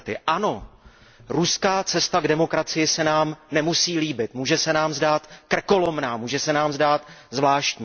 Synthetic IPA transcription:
t̪ɪʔano̞ | ɾuskaːt͡sɛst̪aɡdɛmo̞kɾat͡sɪjɪsɛnaːmnɛmusiːliːbɪt̪muːʒɛsɛnaːmzdaːt̪kr̩ko̞lo̞mnaːmuːʒɛsɛnaːmzdaːt̪zvlaːʃt̪ɲː

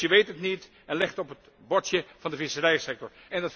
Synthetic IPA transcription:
əʋejtətnit | ɛnlɪχtɔpət̚ | bɔtjəv̥ɑ̃ndəvɪsərɛjəsɛk̚tɔɹ | ɛndɑt

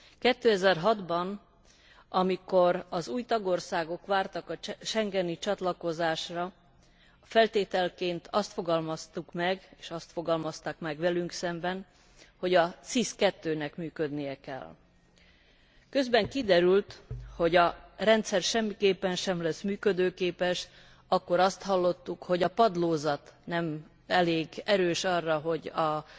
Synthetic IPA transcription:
kɛt̪ːøːɛzɛrɦɒd̪bɒn | ɒmiko̞ɾɒzuːjt̪ɒɡo̞rsaːɡo̞kʋaːrt̪ɒkɒʃɛŋɡɛnit͡ʃɒt̪lɒko̞zaːʃrɒ | fɛlt̪eːt̪ɛlkeːnt̪ʰɒst̪fo̞ɡɒlmɒst̪ukmɛɡeːʃɒst̪fo̞ɡɒlmɒst̪aːkmɛɡʋɛlyŋksɛmbɛn | ho̞ɟɒt̪siskɛt̪ːøːnɛkmyːkø̞d̪nijɛkɛ̰l | kø̞zbɛŋkid̪ɛɾylt̪ho̞ɟɒrɛnt̪sɛrʃɛmːikeːpːɛnʃɛmlɛsmyːkød̪øːkeːpɛʃ | ɒkːo̞ɾɒst̪ɦɒlːo̞t̪ːukho̞ɟɒpɒd̪loːzɒt̪nɛm | ɛleːɡɛɾøːʃɒrːɒɦo̞ɟɒ

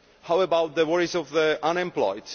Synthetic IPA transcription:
hawəbawt̪̚ðəwɔɹizɔvðəʔãnɛ̃mplɔ̰ɪd

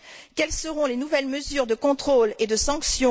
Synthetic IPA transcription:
kʲɛlsəʁɔ̃lenuvɛlməzyːʁd̪əkɔ̃t̪χoled̪əsɑ̃ksjɔ̃

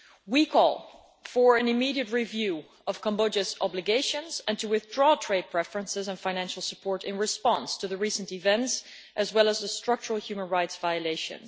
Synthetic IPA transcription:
wikʰɔ̰lˠ | fə˞ɨ̃nɨmiɾiɨt̚ɹivjʉ | ʌv̥kʰə̃mbod͡ʒɨzɑblɨɡeɪʃɨ̃nzɨ̃ntʰɨwɪθdɹɔtʰɹ̥eɪd̚pʰɹ̥ɛfɹə̃nsɪzə̃nfãɪñæ̃nʃl̩ˠsəpʰɔɹɾɪ̃nɹɨspɑ̃nstʰɨðəɹisə̃ntɨvɛ̃nts | ʔɨzwɛlˠəzðəstɹ̥ʌk̚t͡ʃəɹl̩ˠhjʉmə̃nɹaɪtsvaɪɨleɪʃɨ̰̃n

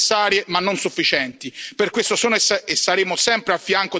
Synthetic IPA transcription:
sːaːɾjemanːonsufːit͡ʃɛnt̪iperkwest̪osoːnsesːaɾeːmosɛmpɾeafːjaŋko

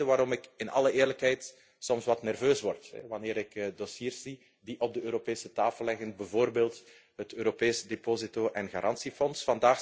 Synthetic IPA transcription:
əʋaːɾɔmɪkɪnɑ̰ləeːrləkɦɛjt | sɔmsʋɑtnɛrvøːsʋɔrtɦɛ̰ʋɑneːɾɪkːdosiːrszi | diʔɔb̚dəøːɾopeːsətaːfəlːɛɣənbəvoːrbeːlˠt | ɦətøːɾopeːsdepoːzitoːʔɛnɣaːɾʔɑnsifɔnsfɑndaːx

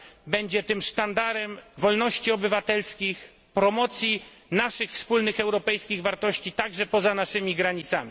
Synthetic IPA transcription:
bɛɲd͡ʑɛt̪ɘmʂt̪and̪aɾɛmvɔlnɔɕt͡ɕiɔbɘvat̪ɛlskʲix | pɾɔmɔt̪sʲji | naʂɘxfspulnɘxɛwɾɔpɛjskʲiɣvaɾt̪ɔɕt͡ɕit̪aɡʐɛpɔzanaʂɘmʲiɡɾaɲit̪sa̰mʲi

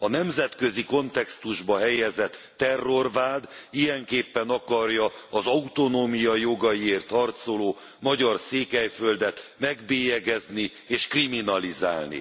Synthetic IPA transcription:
ɒnɛmzɛt̪kø̞ziko̞nt̪ɛkst̪uʒbɒɦɛjɛzɛt̪ːɛrːo̞rvaːd̪ijɛŋkeːpːɛnɒkɒrjɒːzɒut̪o̞noːmijɒjo̞ɡɒjieːrt̪hɒrt̪so̞loː | mɒɟɒrseːkɛjfø̞ld̪ɛt̪mɛɡbeːjɛɡɛzni | eːʃkriminɒliza̰ːlnḭ

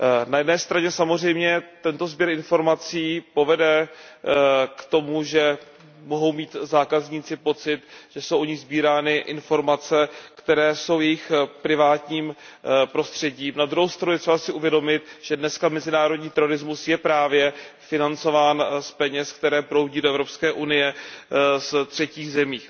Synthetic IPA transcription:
najɛdnɛːst̪ɾaɲɛsamor̝ɛjmɲɛt̪ɛnt̪o̞zbjɛɾɪnfo̞ɾmat͡siːpo̞vɛdɛ | kt̪o̞muʒɛ | mo̞ɦo̞wmiːt̪zaːkazɲiːt͡sɪpo̞t͡sɪt̪ʒ̥ɛsowʔoɲɪɣzbiːɾaːnɪʔɪnfo̞ɾmat͡sɛkt̪ɛɾɛːso̞wjɛjɪxpɾɪvaːt̪ɲiːmpɾo̞st̪r̝̥ɛɟiːmnad̪ɾuɦowst̪ɾanujɛt̪r̥ɛbasɪʔuvjɛdo̞mɪt̪ʒ̥ɛdnɛskamɛzɪnaːɾo̞dɲiːt̪ɛɾo̞ɾɪzmusjɛpɾaːvjɛfɪnant͡so̞vaːnspɛɲɛskt̪ɛɾɛːpɾo̞wɟiːdoʔɛvɾo̞pskɛːʔunɪjɛ | st̪r̝̥ɛciːɣzɛmiː

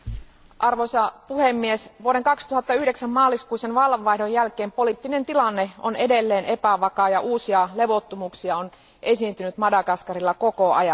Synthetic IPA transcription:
ʔɑrʋosɑpuhemːiesʋuoɾe̞ŋkɑkst̪uɦɑt̪ːɑyhdeksæmːmɑːlːˑiskuisenʋɑlʋɑihdojːælkeːmpo̞lit̪ːine̞nt̪ilɑnːe̞one̞de̞lːe̞ːne̞pæʋɑkɑːjɑʔuːsiɑle̞ʋo̞t̪ːumuksiɑon | ʔe̞siːnt̪ynyt̪mɑdɑkɑskɑrilːɑkokoɑjɑ

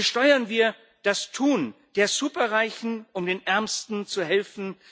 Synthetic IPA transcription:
ʃtɔʏɐnviːɐ | d̥astʰuːnd̥eːɐzuːpɐʁaɪçn̩ʔʊmdeːnʔɛɐmstn̩t͡suɦɛlfn̩

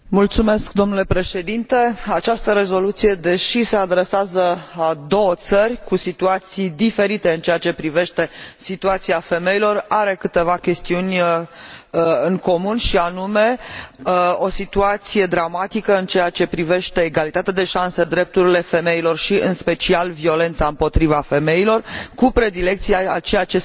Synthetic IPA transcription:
mult̪sume̞sk̚d̪o̞mnule̞pɾe̞ʃe̞d̪int̪e̞at͡ʃast̪əɾe̞zo̞lut̪sije̞d̪e̞ʃise̞ad̪ɾe̞seazəad̪o̞wət̪sərʲkusit̪uat̪sijd̪ife̞ɾit̪e̞ɨnt͡ʃe̞jat͡ʃe̞pɾive̞ʃt̪e̞sit̪uat̪siafe̞mejilo̞raɾe̞kɨt̪e̞vakʲe̞st̪iunʲ | ɨŋko̞munʃianume̞ | o̞sit̪uat̪sije̞d̪ɾamat̪ikəɨnt͡ʃe̞jat͡ʃe̞pɾive̞ʃt̪e̞ːɡalit̪at̪ead̪e̞ʃansed̪ɾe̞p̚t̪uɾile̞fe̞me̞ilo̞rʃiʔɨnspe̞t͡ʃialvio̞le̞nt̪saɨmpo̞t̪ɾivafe̞me̞ilo̞rkupɾe̞d̪ile̞k̚t̪sijaat͡ʃe̞jat͡ʃe̞

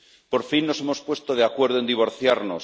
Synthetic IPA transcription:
po̞ɾfinːo̞se̞mo̞spwe̞st̪oð̞eakwe̞ɾðoend̪iβ̞o̞ɾθjaɾno̰s

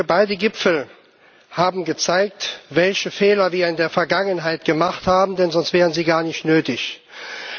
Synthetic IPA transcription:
ɐbaɪdəɡɪpfl̩ | haːbm̩ɡət͡saɪk̚tvɛlçəfɛːlɐviːɐɪndeːɐfɛɐɡaŋənɦaɪtɡ̥əmaχthaːbm̩dɛnzɔnstv̥ɛːʁənziːɡaːɐnɪçtnøːtɪç

